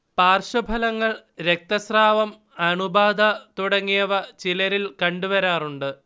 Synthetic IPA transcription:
paːrʂɐbʱɐlɐŋːɐɭɾe̞k̚t̪ɐsraːʋɐm | ɐɳubaːd̪ɐt̪uɽɐŋːijɐʋɐt͡ɕilɐɾilkɐɳɖuʋɐɾaːruɳɖɨ

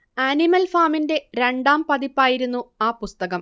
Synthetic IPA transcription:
animɐlfaːminde̞ɾe̞ɳɖaːmpɐðipːaːjiɾunːuaːpust̪ɐɣɐm

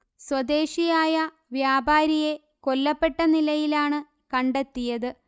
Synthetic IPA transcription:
swɐd̪e̞ːɕijaːjɐ | ʋjaːbaːɾije̞ | ko̞lːɐpːe̞ʈːɐnilɐjilaːɳɨ | kɐɳɖe̞t̪ːijɐðɨ

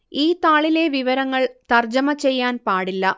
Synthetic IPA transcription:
iːt̪aːɭile̞ʋiʋɐɾɐŋːɐɭt̪ɐrd͡ʑɐmɐt͡ɕe̞jːaːnpaːɽilːɐ

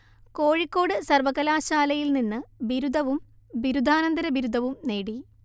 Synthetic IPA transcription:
ko̞ːɻikːo̞ːɽɨsɐrʋɐkːɐlaːɕaːlɐjilninːɨʋiɾud̪ʱɐʋum | biɾud̪ʱaːnɐnd̪ɐɾɐbiɾud̪ʱɐʋumne̞ːɽi

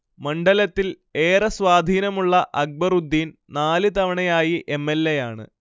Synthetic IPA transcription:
mɐɳɖɐlɐt̪ːil | eːrɐsʋaːd̪ʱiːnɐmuɭːɐʔɐɡ̚bɐrud̪ːiːn | naːlɨt̪ɐʋɐɳɐjaːjiʔe̞mːelːejaːɳɨ̰

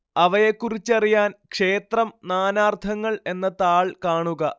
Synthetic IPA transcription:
ɐʋɐjekːurit͡ɕːɐrijaːnkʂe̞ːt̪rɐmnaːnaːrt̪ʰɐŋːɐɭe̞nːɐt̪aːɭkaːɳuɣɐ

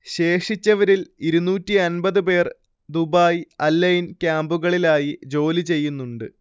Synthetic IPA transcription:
ɕe̞ːʂit͡ɕːɐʋɐɾiliɾunuːtːiɐnbɐðɨpe̞ːr | d̪ubaːjɐlːɐjinkʲaːmbuɣɐɭilaːjid͡ʑo̞ːlit͡ɕe̞jːunːuɳɖɨ

